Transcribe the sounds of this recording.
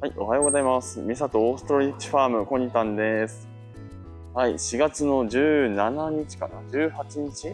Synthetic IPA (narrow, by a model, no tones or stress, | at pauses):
haiʔo̞̰hajo̞ːɡzaimasɨmʲisat̪o̞ːsɨ̥t̪oɾoɾʲit̪i̥ɸaːmɯ̟ko̞ɲ̟it̪ãnd̪e̞sɨ̥ | haiɕiɡat͡sɨno̞ʑɨːnanaɲ̟it͡ɕi̥ka̰nad͡ʑɨːhat͡ɕiɲ̟it͡ɕi